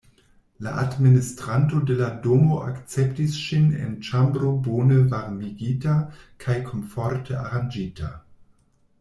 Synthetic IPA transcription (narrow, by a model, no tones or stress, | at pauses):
la̰ʔadministɾantodeladomoʔa̰kt͡sɛptisʃinḛnt͡ʃambɾobonəvaɾmiɡitakʰajkʰonfɔɾtʰəa̰ʁand͡ʒitʰa̰